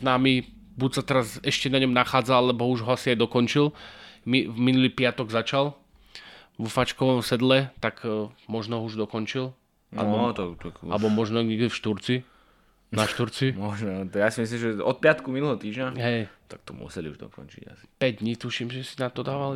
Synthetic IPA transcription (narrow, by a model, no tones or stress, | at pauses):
znaːmi | but̪sat̪ɛɾazɛʃcɛnaɲɔmnaxaːd͡zalɛbɔuʒɦɔasiajd̪ɔkɔnt͡ʃilmiminuliːpɪat̪ɔɡzat͡ʃalˠ | ʋɔfat͡ʃkɔʋɔmsɛd̪lɛt̪akmɔʒnɔɦɔuʒd̪ɔkɔnt͡ʃil | a̰lɛbɔt̪aakalɛbɔmɔʒnɔɲɛɡd̪ɛfʃt̪uɾt͡si | naʃt̪uɾt͡simɔʒnɔt̪jasimis̬limʒɛɔt̪̚pɪat̪kuminulɛɦɔt̪iːʒɲaɦɛjt̪ak̚t̪ɔmṵsɛlḭṵʒd̪ɔ̰kɔ̰nt͡ʃḭɟa̰si̥pɛɟd̪ɲiːt̪uʃimʒɛsinat̪ɔd̪aːʋali